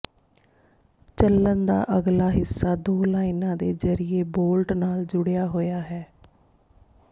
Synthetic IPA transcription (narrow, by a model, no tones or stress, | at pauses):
t͡ʃəlːənd̪a̰ːʔəɡlaːɦɪsːaːd̪oːlaːinãːd̪ḛːzəɾɪeːboːlʈnaːld͡ʒʊɽɪjaːɦoːjaːɦɛː